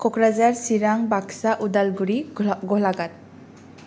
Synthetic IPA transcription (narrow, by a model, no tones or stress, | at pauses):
kɔkɾazaɾsiɾaŋbaksaʔudalɡuɾiɡɔlaɡat̚